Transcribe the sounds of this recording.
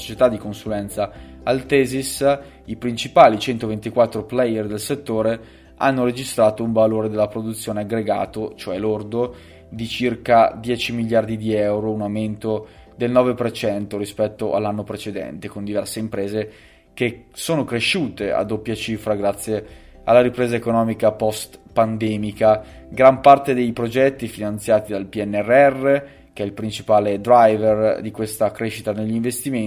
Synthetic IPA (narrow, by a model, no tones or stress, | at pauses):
o̥t͡ʃet̪ad̪ːikonsulɛnt̪saalt̪ɛːzis | ipɾint͡ʃipaːlit͡ʃɛnt̪ovent̪ikwat̪ːɾoplɛjerd̪elset̪ːoːɾe | ʔanːoɾed͡ʒist̪ɾaːt̪ouɱvaloːɾed̪elːapɾod̪ut̪sːjoːneaɡɾeɡa̰ːt̪ot͡ʃoɛlord̪o | d̪it͡ʃirkad̪jɛːt͡ʃimiʎːjard̪id̪iɛɛwɾounawment̪o | d̪elnɔːvepert͡ʃɛnt̪oɾispɛt̪ːoʔa̰lːanːopɾet͡ʃed̪ɛ̰nt̪ekond̪ivɛrseimpɾeːze | k̟e | soːnokɾeʃuːt̪ea̰d̪opːjat͡ʃifɾaɡɾat̪sːje | alːaɾipɾeːzaekonɔːmikapɔst̪pand̪ɛːmikaɡɾampart̪ed̪ejpɾod͡ʒɛt̪ːifinant̪sjaːt̪id̪alpiɛnːɛrːɛrːe | keɛilpɾint͡ʃipaːled̪ɾajverd̪ikwest̪akɾeʃit̪aneʎːiɱvest̪ime